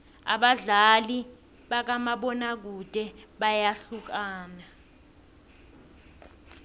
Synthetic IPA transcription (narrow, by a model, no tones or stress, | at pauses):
a̰ɓaɮali | ɓak̬amaɓɔnak̬ud̥ʱɛɓajaɬuk̬aːna